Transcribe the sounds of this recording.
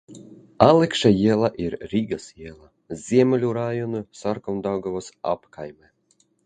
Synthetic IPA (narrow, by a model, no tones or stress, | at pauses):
alˠɛkʃajiɛlˠaʔiɾɾiɡasiɛlˠa | zʲiɛmʲɛlʲuɾajɔnɨsaɾkɔnd̪awɡavɔsa̰pkajmɛ